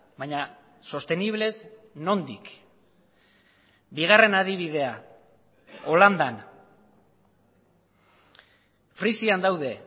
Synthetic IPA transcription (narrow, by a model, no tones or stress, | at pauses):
bajɲa | so̞st̪e̞niβ̞le̞zno̞nd̪ik | biɣ̞are̞naðiβ̞iðe̞a | o̞land̪an | fɾisiand̪awðe̞